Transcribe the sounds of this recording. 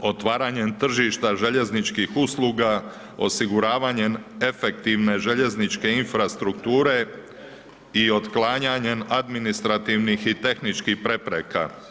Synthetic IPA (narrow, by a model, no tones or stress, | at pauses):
o̞t̪ʋaːɾaɲe̞nt̪r̩ʒiʃt̪aʒe̞ʎe̞znit͡ʃkixuslˠuːɡa | o̞̰siɡuɾaːʋaɲe̞me̞fe̞k̚t̪iʋne̞ʒe̞ʎe̞znit͡ʃke̞infɾast̪ɾukt̪uːɾe̞ | io̞t̪klaːɲaɲe̞nad̪minist̪ɾat̪iʋnixit̪e̞xnit͡ʃkihpɾe̞pɾeka̰